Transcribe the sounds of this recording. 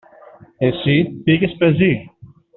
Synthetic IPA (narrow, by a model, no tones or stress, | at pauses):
esipiʝespe̞zi